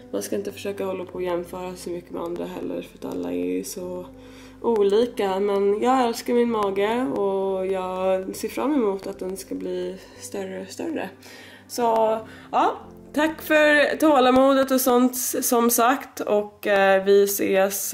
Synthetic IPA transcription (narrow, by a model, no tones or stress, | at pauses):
manskaɪnt̪əfœ̥ʂøːkahɔlːapʰɔːjɛmːfœːɾasɔmʏkːəmɛ̰and̪ɾa̰ɦɛ̰lːə̰ɾfœɾat̪ʰa̰lːa̰ɛ̰sɔ | ʔuːliːkamɛnjɑːɡɛlskaɾmɪnmɑːɡəɔjɑːɡseːɾfɾa̰mːɛmuːt̪at̪̚d̪ɛnskabliː | st̪œɾəst̪œ̰ɾə̰ | sɔ | ɑː | t̪ʰakːfœɾt̪ʰoːlamuːd̪ət̪ɔsɔnt̪sɔmsakt̪ɔkːvɪseːs